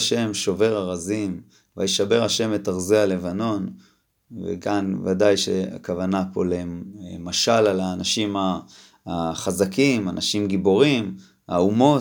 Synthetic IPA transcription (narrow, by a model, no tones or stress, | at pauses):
ʃe̞mʃo̞ve̞ʁaʁazim | va̰jiʃabe̞ʁhaʃe̞metaʁzeale̞vano̞n | vḛɡanva̰dajʃea̰kavanapo̞lemaʃalalaːnaʃimaː | χazakimanʔaʃimɡibo̞ʁim | a̰umo̞